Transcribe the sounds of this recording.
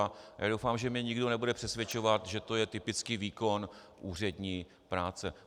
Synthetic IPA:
ja̰ːdowfaːmʒɛmɲɛɲɪɡdo̞nɛbudɛpr̥ɛsvjɛt͡ʃo̞vat̪ʒɛt̪o̞jɛt̪ɪpɪt͡skiːviːko̞n | ʔuːr̝ɛdɲiː | pɾaːt͡sɛ

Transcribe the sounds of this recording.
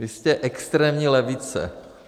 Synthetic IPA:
ɪscɛʔɛkst̪ɾɛːmɲilɛvit͡sɛ̰

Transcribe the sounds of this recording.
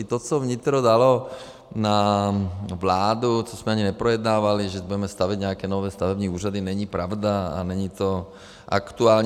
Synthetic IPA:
t̪ɔt͡sɔʋɲit̪ɾɔd̪alɔ | na | ʋlaːd̪ut͡ʃɔsmɛaɲinɛpɾɔjɛd̪naːʋaliʒɛbuɟɛmɛst̪aʋiɟɲɛakɛːnɔʋɛːst̪aʋɛbɲiːuːʒad̪inɛɲipɾaʊd̪aa̰nɛɲit̪ɔ | ʔa̰kt̪uaːlɲ

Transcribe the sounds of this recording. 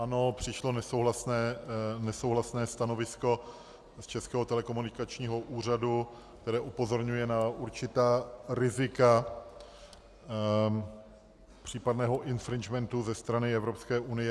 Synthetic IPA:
ʔano̞pr̝̥ɪʃlo̞nɛsowɦlasnɛːnɛsowɦlasnɛːst̪ano̞vɪsko̞ | st͡ʃɛskɛːɦot̪ɛlɛko̞munɪkat͡ʃɲiːɦo̞ʔuːr̝adu | k̚t̪ɛɾɛːʔupo̞zo̞ɾɲujɛnaʔuɾt͡ʃɪt̪aːɾɪzɪka | pr̝̥iːpadnɛːɦo̞ʔɪnfɾɪnd͡ʒmɛnt̪uzɛst̪ɾanɪɛvɾo̞pskɛːʔunɪjɛ

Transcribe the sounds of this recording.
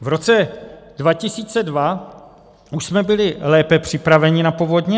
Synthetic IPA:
vɾo̞t͡sɛd̥vacɪsiːt͡sɛdva | uʃsmɛbɪlɪlɛːpɛpr̝̥ɪpɾavɛɲɪnapovodɲɛ

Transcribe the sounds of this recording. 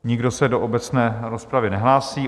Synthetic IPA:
ɲɪɡdo̞sɛdoʔobɛt͡snɛːɾospɾavɪnɛɦlaːsiː

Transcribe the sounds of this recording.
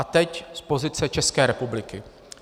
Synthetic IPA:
at̪ɛcspo̞zɪt͡sɛt͡ʃɛskɛːɾɛpublɪkɪ

